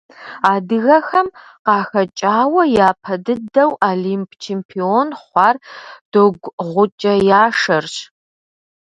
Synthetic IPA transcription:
aːdɨɣɐxɐm | qɑːxɐt͡ʃʼaːwɐjaːpʰɐdɨdɐwaːliːmpʰʼt͡ʃʰeːmpʰionχʷɑːrd̥oɡʷʁʷʊt͡ʃʼɐjaːʂɐrɕ

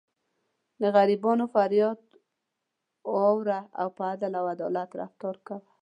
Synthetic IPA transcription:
d̪əɣaɾibɑnofaɾjɑd̪ | wowɾaa̰wpəad̪alawad̪ɔlat̪ɾa̰ft̪ɔɾkaw

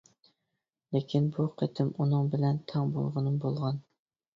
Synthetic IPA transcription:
lekʲʰinbuqʰət̪ʰɪmunɨŋbɪlɛnt̪ʰɑŋbo̰lˠʁənɨmbolˠʁɑn

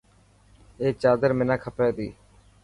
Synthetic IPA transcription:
eːt͡ʃaːd̪əɾmɪnaːkʰəpeːd̪iː

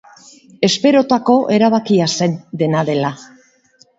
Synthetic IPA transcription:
e̞spe̞ɾo̞t̪ako̞ʔe̞ɾaβ̞akiase̞nd̪e̞naðe̞la

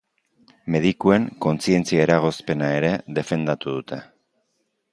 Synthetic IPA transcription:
me̞ðikue̞ŋko̞nt͡sie̞nt͡siaeɾaɣ̞o̞spe̞nae̞ɾe̞ðe̞fe̞nd̪at̪uðut̪e̞

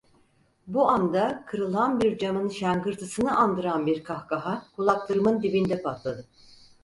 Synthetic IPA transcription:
buand̪akʰɯɾɯlˠanbiɾd͡ʒamɯnʃæŋɡɯɾt̪ʰɯsɯnɯʔand̪ɯɾanbiɾkʰahkaɦakʰulˠaklˠɯɾɯmɯnd̪ibind̪ɛpʰat̪lˠad̪ɯ

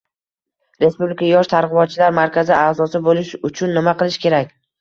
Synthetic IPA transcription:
ɾe̞spublɪkʰajɒʃt̪ʰaɾʁɨbɒt̪̚t͡ʃʰɪlaɾmaɾkʲʰazɪaːzɒsɪbolɪʃʊt͡ʃʰʊnːɪmaqɨlˠɪʃkʲʰe̞ɾakʲ

